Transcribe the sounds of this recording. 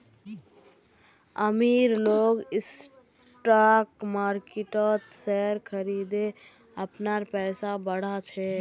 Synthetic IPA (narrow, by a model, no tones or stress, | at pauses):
əmiɾloːɡɪs | ʈakmaːɾkɪʈət̪sɛɾkʰəɾid̪e | əpnaɾpɛːsabəɽ̤at͡ʃʰe